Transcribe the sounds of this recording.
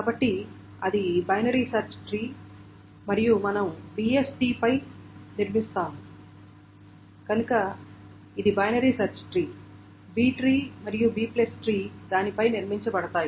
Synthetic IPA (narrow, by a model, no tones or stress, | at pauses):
kaːbɐʈːi | ɐd̪ibɐjnɐɾiːsɐɾt͡ʃʈɾiː | mɐɾijumɐnɐmbiːesʈiːpɐjniɾmist̪aːmu | kɐnukɐ | id̪ibɐjnɐɾiːsɐɾt͡ʃʈɾiː | biːʈɾiːmɐɾijubiːplesʈɾiːd̪aːnipɐjniɾmiɲt͡ʃɐbɐɽɐt̪aːji